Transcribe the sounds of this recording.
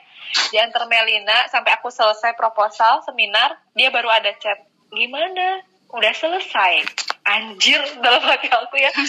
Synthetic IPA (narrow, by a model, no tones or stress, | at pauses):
d͡ʒiant̪ərmelinasampeakusələsajpɾoposalsəminar | diabaɾuadat͡ʃɛp̚ | ɡimana | udahsələsajʔaɲd͡ʒɪrdalamakealkuja